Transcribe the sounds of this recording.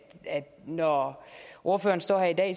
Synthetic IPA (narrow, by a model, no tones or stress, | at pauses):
æd̥nɒ | ʔo̝ɐfø̰ːɐn̩sd̥ɒ̰ːɦæɐid̥ɛ̰ː